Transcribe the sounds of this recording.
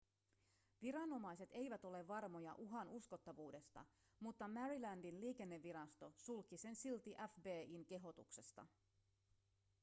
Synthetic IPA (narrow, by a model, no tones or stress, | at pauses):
ʋiɾɑno̞mɑjse̞t̪e̞jʋæt̪o̞le̞ʋːɑrmo̞jɑ̰ʔuɦɑnusko̞t̪ːɑʋuːde̞st̪ɑ̰ | mut̪ːɑmæɾilændinliːk̟e̞nːe̞ʋːiɾɑst̪o̞sulkise̞nsilt̪iʔæfbeːinke̞ɦo̞t̪ṵkse̞st̪ɑ̰